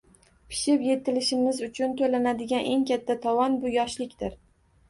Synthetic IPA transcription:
pʰɪ̥ʃɪpje̞t̪ɪlɪʃɪmɪzʊt͡ʃʰʊnt̪ʰolanad̪ɪɡʲanʔe̞ŋkʲʰat̪ʰːat̪ʰɒwɒnbʊjɒʃlɪkʲt̪ɪɾ

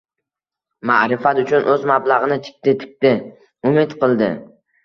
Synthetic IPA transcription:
maʔɾɪfat̪ʊt͡ʃʰʊnʔɵzmablˠɑʁɨnɪt̪ʰɪ̥k̚ʲt̪ɪt̪ʰɪ̥k̚ʲt̪ɪ | ʊmɪt̪qʰɨlˠd̪ɪ̰

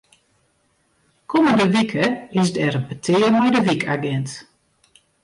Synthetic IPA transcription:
kʰoməndəʋikʰəɪsdɛɾənbətʰɪːərmɛjdəʋikʰaɡɛnt

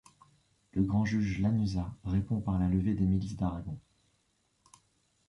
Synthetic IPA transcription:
ləɡʁɑ̃ʒyʒlanyzaʁepɔ̃paʁlaləved̪emilisd̪aʁaɡɔ̃

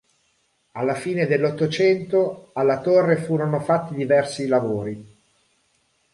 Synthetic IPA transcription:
alːafiːned̪elːot̪ːot͡ʃɛnt̪oalːat̪orːefuːɾonofat̪ːid̪ivɛrsilavoːɾi

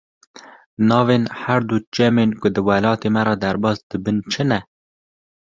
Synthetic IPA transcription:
nɑːveːnhæɾd̪ud͡ʒɛmeːnkʊd̪ɨwɛlɑːt̪eːmɛɾɑd̪æɾbɑːsd̪̥ɨbɨnt͡ʃʰɨnɛ

